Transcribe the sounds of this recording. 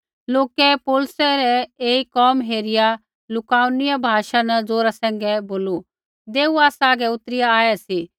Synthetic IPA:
loːkɛpoːlsɛɾɛeːikɔːmɦeːɾɪja | lʊkaːʊnɪjabʱaːʃanɐd͡zoːɾasɛ̃ːŋ̆ɡɛboːlu | d̪eːuaːsaːɡɛʊt̪ɾɪjaaːjɛsi

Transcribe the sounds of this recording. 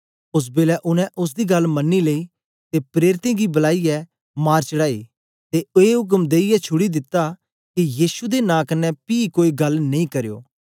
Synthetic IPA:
ʊs̬beːlɛʔʊnɛ̃ʔʊs̬d̪iɡɐlmɐnːileiː | t̪epɾeːɾɪt̪ẽːɡibɐlaːiɛ | maːɾt͡ʃəɽaːḭː | t̪eeːɦʊk̬əmd̪eːijɛt͡ʃʰʊɽid̪ɪt̪ːa | kijiːsud̪enãːkɐnːɛpiːkoːiɡɐlnɐĩkɐɾejo̰ː

